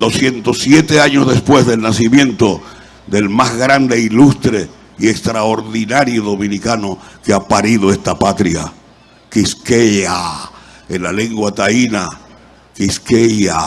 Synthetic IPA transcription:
d̪o̞sje̞nt̪o̞sje̞t̪e̞aɲozðe̞spwe̞zðe̞lnasimjẽ̞nt̪o̞ | d̪e̞lmazɣɾand̪e̞ilust̪ɾe̞ | ie̞kst̪ɾaoɾðinaɾjoðo̞mĩnikanokeapaɾiðo̞e̞st̪apat̪ɾja̰ | kiskeʎa | enlale̞ŋɡwat̪aina | kiskeʎa

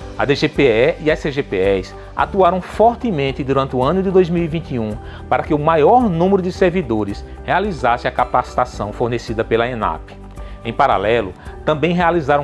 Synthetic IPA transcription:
ɐ̰d̪eʒepeɛiɐseʒepeɛs | a̰t̪uaɾɐ̃w̃fɔɾt̪ɪmẽnt̪ɪd̪uɾɐ̃nt̪ɪuɐ̃nʊd̪ɪd̪ojzmiwivĩnt̪iũ | paɾɐkɪʊmajɔɾnũmeɾʊd̪ɪseɾvid̪oɾɪs | healizasɪɐkap̚t̪ast̪asɐ̃w̃foɾnesid̪ɐpelɐẽna̰pɪ̥ | ẽj̃paɾa̰lɛlʊt̪ɐ̃mbẽj̃ɦealizaɾɐ̃w̃

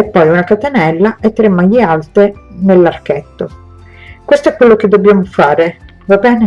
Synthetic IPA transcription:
ɛpːɔjunakat̪enɛlːaʔet̪ːɾemːajialt̪enelːarkɛt̪ːo | kwest̪oɛkːwelːok̟ed̪ːobːjaːmofaːɾe | vabɛːne

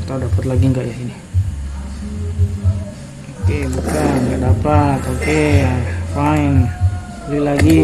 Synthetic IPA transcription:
t̪audapat̪laɡiŋɡaʔjaini | okebukanŋɡaʔdapat̪oke | fain | lilaɡi

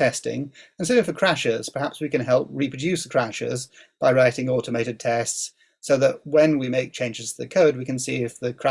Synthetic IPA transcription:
ɛstɪ̰̃ŋə̃nsɪɪ̃ŋfəkʰɹ̥æʃɪz̥pʰə˞hæpswikɨ̃nɦɛlˠp̚ɹipʰɹ̥ɨdʉskʰɹ̥æʃɪ̰z | b̥aɪɹaɪɾɪ̃ŋɔˑɾəmeɪɾɨd̚tʰɛsts | soʊðəʔ̚wə̃nwimeɪk̚t͡ʃʰẽɪ̃nd͡ʒɨz̥ʰðɨkʰoʊd̚wikɨ̃nsḭɪfðɨkʰɹ̥æ

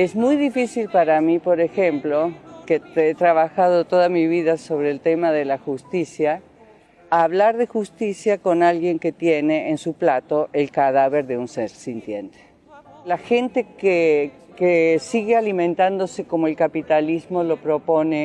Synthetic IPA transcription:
ezmujðifisilpaɾamipo̞ɾe̞xe̞mplo̞ket̪et̪ɾaβaxað̞o̞t̪o̞ðamiβiðaso̞βɾeːlt̪e̞maðe̞laxust̪isjaː | βlaɾðe̞xust̪isjako̞nalɣje̞ŋke̞t̪je̞ne̞ːnsuplat̪o̞ʔe̞lkaðaβe̞ɾðe̞unseɾsint̪jent̪e̥ | laxe̞nt̪e̞ke | kesiɣealimẽnt̪and̪o̞se̞ko̞moe̞lkapit̪alizmo̞lo̞pɾo̞po̞ne

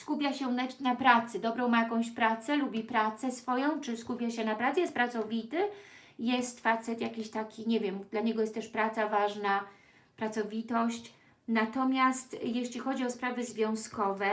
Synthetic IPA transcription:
skupʲjaɕɛnanapɾat̪sɘd̪ɔbɾɔ̃w̃majakɔ̃w̃ɕpɾat̪sɛlubʲipɾat̪sɛsfɔjɔ̃w̃t͡ʂɘskupʲjaɕɛnapɾat̪sɛjɛst̪pɾat̪sɔvʲit̪ɘ | jɛst̪fat̪sɛt̪jakʲiɕt̪akʲʰiɲevʲjɛmd̪laɲɛɡɔjɛst̪ːɛʂpɾat̪savaʐna | pɾat̪sɔvʲit̪ɔɕt͡ɕ | nat̪ɔmʲjast̪jeɕlʲixɔd͡ʑiɔspɾavɘzvʲjɔ̃w̃skɔvɛ

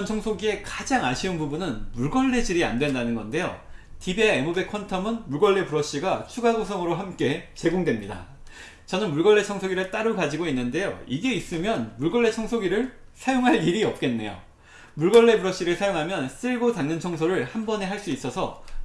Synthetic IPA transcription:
nt͡ɕʰʌŋsʰoɡie̞kad͡ʑaŋaɕʰiɯnbubunɯnmuɭɡʌɭːe̞d͡ʑiɾia̰ndwe̞ndanɯnɡʌnde̞jo̰tibeaemobe̞kʰʌntʰʌmɯnmuɭɡʌɭːe̞puɾʌɕ͈iɡat͡ɕʰuɡaɡosʰʌŋɯɾoɦamk͈e̞t͡ɕe̞ɡoŋdwe̞mɲida̰ | t͡ɕʌnɯnmuɭɡʌɭːe̞t͡ɕʰʌŋsʰoɡiɾɯɭt͈aɾɯkad͡ʑiɡoinːɯnde̞jo̰iɡe̞is͈ɯmjʌnmuɭɡʌɭːe̞t͡ɕʰʌŋsʰoɡiɾɯɭsʰajoŋɦaɭiɾiʌp̚k͈e̞nːe̞jo̰ | muɭɡʌɭːe̞buɾʌɕ͈iɾɯɭsʰajoŋɦamjʌns͈ɯɭɡotaŋɲʌnt͡ɕʰʌŋs̬ʰoɾɯɭhambʌne̞ɦaɭs͈uis͈ʌsʰʌ

